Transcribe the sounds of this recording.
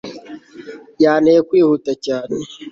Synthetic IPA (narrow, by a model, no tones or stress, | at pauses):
jaːnekʷihutat͡ʃaːni